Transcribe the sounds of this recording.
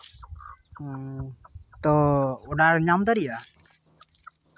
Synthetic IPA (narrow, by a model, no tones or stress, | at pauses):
t̪ɔɔɖaɾɲamd̪aɾija